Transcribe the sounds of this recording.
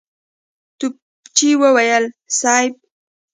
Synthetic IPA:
t̪ʊp̚ | t͡ʃiwawajalsajp̚

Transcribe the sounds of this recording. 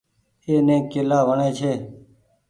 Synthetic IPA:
eːnẽːkelaːʋəɳẽːt͡ʃʰeː

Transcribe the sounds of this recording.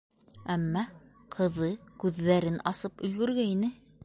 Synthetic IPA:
æmːɑ | qʰɤ̆ðɤkʉðːæɾɘnʔɑsɤpɵ̆lɡɵ̆ɾɡæinɘ

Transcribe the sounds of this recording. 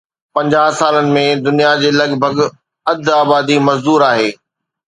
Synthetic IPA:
pɐ̃ɲd͡ʑaːɦsaːlənɪ̆mẽd̪ʊnijad͡ʑeːlɐɡbʱəɡ | ɐd̪aːbaːd̪imɐzd̪uːɾaːɦeː

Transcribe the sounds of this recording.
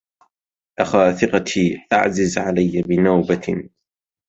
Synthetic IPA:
ʔaxaːθɪqɑt̪ʰiːʔa̰ʕzɪzʕalajːabɪnawba

